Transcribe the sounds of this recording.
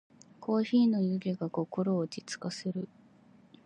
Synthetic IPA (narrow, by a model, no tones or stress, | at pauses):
kʰo̞ːçiːno̞jɯ̟ɡʲeɡako̞ko̞ɾo̞ːd͡ʑit͡sɨ̥kaseɾɯ̟